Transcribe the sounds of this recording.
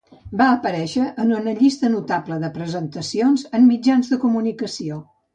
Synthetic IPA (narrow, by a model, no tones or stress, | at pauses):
baəpəɾɛʃəʔːnunəʎist̪ənut̪apləðəpɾəzənt̪əsionzəmmːid͡ʒanzðəkumunikəsio